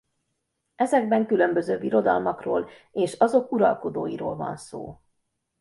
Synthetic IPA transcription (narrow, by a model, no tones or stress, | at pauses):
ɛzɛɡ̚bɛŋkylø̞mbø̞zøːviɾo̞d̪ɒ̰lmɒkroːl | eːʃɒzo̞kuɾɒ̰lko̞d̪oːjiɾoːlvɒ̰nso̰ː